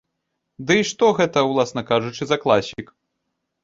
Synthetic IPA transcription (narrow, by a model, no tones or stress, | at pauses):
d̪ɨiʂt̪ɔɣɛt̪ɐwlˠasnɐkaʐut͡ʂɨzɐklˠasʲik